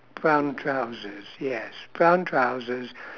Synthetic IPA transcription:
b̥ɹãʊ̃ntʰɹ̥aʊzəz̥jɛsb̥ɹãʊ̃ntʰɹ̥aʊzɪz̥

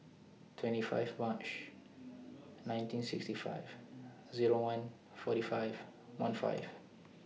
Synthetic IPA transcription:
tʰwɛ̃ntifa̰jvmãt͡ʃ | nãj̃ntʰĩnsikstifa̰ɪv | ziɹowʌ̃n | fɔɾifaɪv | wʌ̰̃nfa̰ɪv̥

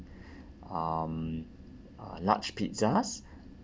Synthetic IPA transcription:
am | la̰t͡ʃpitsas

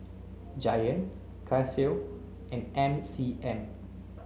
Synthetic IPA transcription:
d͡ʒajə̃n | kʰase | ʔɛ̃nɛ̃nsiʔɛ̃n

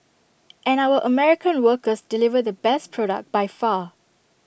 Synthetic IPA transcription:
ʔɛ̃nawəʔəmɛɹɪkə̃nwəkəsdɪlivədəbɛspʰɹɔɾə̰k̚bajfa

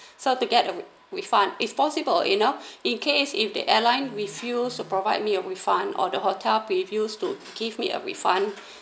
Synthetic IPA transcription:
sotuɡɛtə | ɹifãnitspɔsibəljḭnoĩnkʰesifdə̰ʔɛlãɪ̃nɹifjustupɹovaɪd̚miəɹifãnɔ̰dəhotʰɛlpɹivjustu | ɡ̥ivmiə̰ɹḭfãn

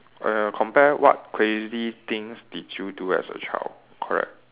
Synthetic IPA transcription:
kʰɔ̃mpɛwʔɔ̰t̚kʰɹezit̪ĩŋsdidjuduɛ̰sə̰t͡ʃʰal | kʰɔɹɛ̰k̚t̚

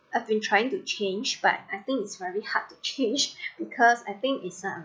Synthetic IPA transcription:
ʔajvbĩntʰɹajɪ̃ŋtut͡ʃʰẽnd͡ʒb̥a̰t̚ajθɪ̃ŋkɪtsvɛɹihad̚tːut͡ʃʰẽnd͡ʒb̥ikʰɔsaɪθɪ̃ŋkɪtsʌ̃m

